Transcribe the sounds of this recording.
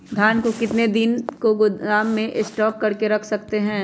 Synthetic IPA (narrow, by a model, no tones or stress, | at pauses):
d̪ʱjaːnkokɪt̪ned̪ɪnkoɡʊaːmːẽʔɪsʈɔːkːɐɾkeɾɐkʰsɐkt̪eɦɛ̃ː